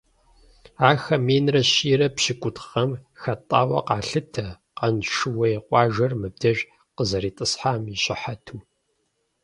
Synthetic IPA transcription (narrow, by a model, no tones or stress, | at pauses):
aːxɐmeːnrɐɕiːɾɐpɕɪkʷʼʊtχɐmxɐtʼaːwɐ̰qɑːɬɨtʰɐ | qɐnʃɨwɐjɛqʷʼɑːʒɐrmɨb̚dʰɐʒ | qəzɐɾiːtʼɨsħaːmiɕʼɪħatʰuː